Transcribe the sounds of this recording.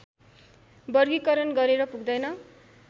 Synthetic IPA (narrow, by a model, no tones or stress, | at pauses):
bʌrɡikʌɾʌnɡʌɾeɾʌpuɡd̪ʌjnʌ